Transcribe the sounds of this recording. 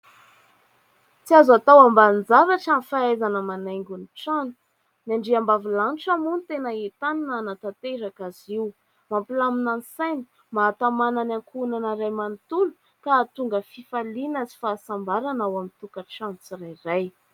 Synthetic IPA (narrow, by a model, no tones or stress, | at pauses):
t͡siazat̪awamband͡zaɾaʈ͡ʂanifaazanəmanajŋɡʲuniʈ͡ʂanu̥ | naɳɖ͡ʐiambavilanʈ͡ʂamunit̪enəet̪aninanat̪at̪eɾakaziw | mampilaminanisajni | maːt̪amananaŋkunanəɾajmant̪ulu̥ | kat̪uŋɡəfifalinazi̥faːsambaɾanawamint̪ukəʈ͡ʂant͡siɾajraj